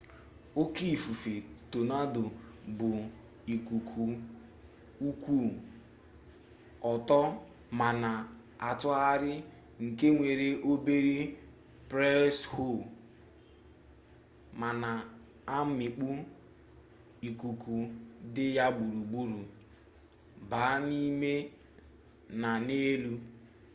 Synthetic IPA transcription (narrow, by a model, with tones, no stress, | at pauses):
o˦ki˦˨fu˨fe˨to˨na˦dʊ˨bʊ˨ | i˨ku˨kʰu˨ | u˦kʷu˦˨ | ɔ˨tɔ˦ | ma˨na˨ | a˨tʊ˦a˦ɾɪ˦ | ŋ̩˨ke˦ŋʷe˨ɾe˦ʔo˦be˦ɾi˦ | pɾɛ˦sho˦˨ | ma˨na˨ | a˦mɪ˨k͡pu˦ | i˨ku˨ku˨dɪ˦ja˦ɡ͡bu˨ɾu˨ɡ͡bu˦ɾu˨ | ba˨˦ni˦me˦ | na˨ne˦lu˦